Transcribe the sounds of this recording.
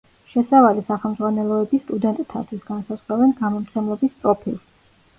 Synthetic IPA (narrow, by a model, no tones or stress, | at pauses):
ʃɛsavalisaχɛlˠmd̪zʁwanɛlˠɔɛbist̪ʼud̪ɛnt̪ʼt̪ʰa̰t̪ʰwisɡansazʁɾavɛnɡamɔmt̪sʰɛmlˠɔbist̪sʼɾɔpʰilˠs